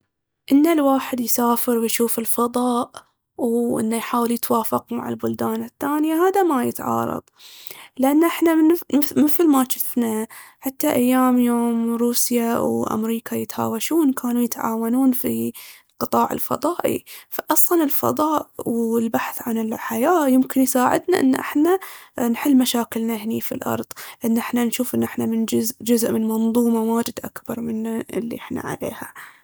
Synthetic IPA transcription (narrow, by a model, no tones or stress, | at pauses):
ʔɪnːalwaːħɪd̪jsaːfɪɾwjʃuːfɪlfɑðˤɑːʔ | wʔɪ̰nːajħaːwɪljɪt̪waːfɪqma̰ʕɪ̰lbʊld̪aːnɪθːaːnjaɦaːd̪amajɪt̪ʕɑ̰ːɾˤɑ̰ðˤlɪʔanːʔɪħnamɪθlmaʃɪfnaħat̪ːaʔajːaːmjoːmɾuːsjawʔa̰mɾiːkajɪt̪ha̰ːwaʃuːnkʰaːnujɪt̪ʕa̰ːwanuːnfilqɨt̪ˤɑːʕɪ̰lfɑ̰ðˤɑːʔḭfaʔɑsˤlɑnɪlfɑ̰ðˤɑːʔwɪlbaħθʕanɪlħajaːjɪmkɪnjsaːʕɪ̰d̪naʔɪ̰nːʔɪ̰ħnanħɪlːmaʃaːkɪlnaɦnifilʔɑ̰ɾˤðˤʔɪnːʔɪħnanʃuːfʔɪnːʔɪħnamɪnd͡ʒʊzʔd͡ʒʊzʔmɪnmɑnðˤuːmawaːd͡ʒɪd̪ʔa̰kbɑɾˤmɪnːaɪ̰lːḭʔɪħna̰ʕa̰lḛːha